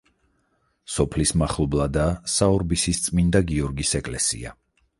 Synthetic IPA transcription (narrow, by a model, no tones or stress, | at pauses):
sɔpʰlismaχlˠɔblˠad̪aːsaɔɾbisist̪sʼmind̪aɡiɔɾɡisɛkʼlɛsḭa̰